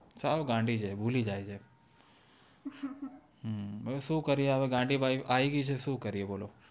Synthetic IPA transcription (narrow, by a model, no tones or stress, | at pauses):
t͡ʃaoɡãːɳɖʱid͡ʒʰeːbʱuːlid͡ʒaːid͡ʒʰe | ɦəsũːkəɾieaʋeɡãːɳɖʱibaːiʔaːiɡit͡ʃʰesũːkəɾieboːloː